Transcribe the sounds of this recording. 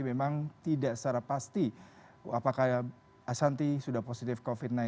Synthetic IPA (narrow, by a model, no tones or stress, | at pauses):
imemaŋt̪idaʔsaɾapast̪i | apakaj | asant̪isudahposit̪ɪfkofit̪̚na